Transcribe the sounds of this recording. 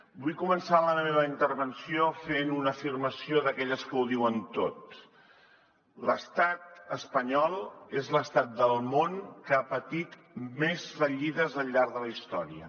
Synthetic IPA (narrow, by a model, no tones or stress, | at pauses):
bujkumənsaləməmeβ̞əint̪əɾβənsiofenunəfirməsioðəkɛʎəskəwðiwənt̪o̰t̪̚ | ləst̪at̪̚əspəɲɔlˠezləst̪at̪̚d̪əlˠmonkəapət̪it̪ | mezfəʎiðəzəʎːaɾðələist̪ɔɾiə